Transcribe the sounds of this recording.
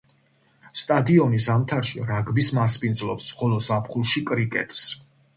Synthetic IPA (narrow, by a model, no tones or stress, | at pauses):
st̪ʼad̪iɔnisamt̪ʰaɾʃiɾaɡbismaspʼind̪zlɔpsχɔlˠɔzapχulˠʃikʼɾikʼɛ̰t̪ʼs